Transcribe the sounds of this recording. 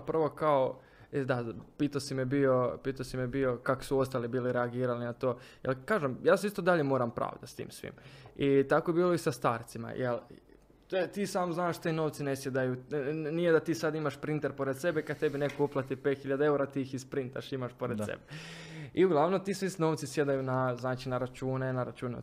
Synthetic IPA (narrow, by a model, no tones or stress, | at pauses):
prʋo̞kao | ed̪apiːt̪asimebio̞piːt̪asimjebio̞kako̥suo̞st̪alibiːliɾeaɡiːɾalinat̪oːjelˠkaːʒemjaːs̬ist̪od̪aʎemo̞ːɾampɾʔa̰ːʋd̪ast̪ḭːmsʋḭmit̪akojebiːlˠoisast̪aːɾt̪sima̰jʔel | t̪t̪iːsaːmznaːʃt̪eno̞ʋt̪sine̞sjed̪ajunijed̪at̪iːsad̪imaʃpɾint̪eɾpo̞ɾe̞d̪se̞bekad̪̚t̪e̞binekouplˠat̪ipet̪xiʎad̪ae̞uɾat̪iixispɾint̪a̰ʃimaʃpo̞ɾed̪sḛbeiuɡlˠaʋnomt̪iːsʋisno̞ːʋt̪sisje̞d̪ajunaznaːt͡ʃinaɾat͡ʃuːnenaɾat͡ʃuːnḛ